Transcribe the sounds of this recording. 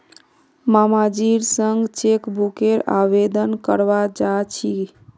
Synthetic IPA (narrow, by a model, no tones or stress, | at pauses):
mamad͡ʒiɾsəŋɡt͡ʃekbukeɾa̰bed̪ənkəɾbad͡ʒat͡ʃʰi